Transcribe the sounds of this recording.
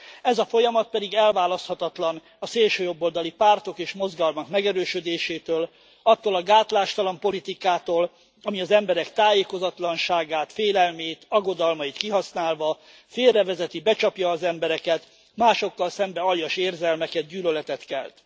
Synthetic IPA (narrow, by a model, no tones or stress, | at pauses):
ɛzɒfo̞jɒmɒt̪̚pɛd̪iɡɛlvaːlɒst̪hɒt̪ɒt̪lɒn | ɒseːlʃøːjo̞bːold̪ɒlipaːrt̪o̞keːʃmo̞zɡɒlmɒkmɛɡɛɾøːʃød̪eːʃeːt̪øːl | ɒt̪ːoːlɒɡaːt̪laːʃt̪ɒlɒmpo̞lit̪ikaːt̪oːl | ɒmiɒzɛmbɛɾɛkt̪aːjeːko̞zɒt̪lɒnʃaːɡaːt̪feːlɛlmeːt̪ɒɡo̞d̪ɒlmɒjit̪kiɦɒsnaːlvɒ | feːrːɛvɛzɛt̪ibɛt͡ʃɒpjɒːzɛmbɛɾɛkɛt̪ | maːʃo̞kːɒlsɛmbɛɒljɒʃeːrzɛlmɛkɛd̪̚ɟyːlølɛt̪ɛt̪kɛ̰lt̪